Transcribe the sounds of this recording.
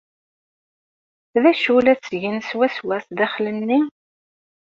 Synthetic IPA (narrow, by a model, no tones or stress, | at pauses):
ðæʃulæt͡sːʝənswæswæsðæχlənːi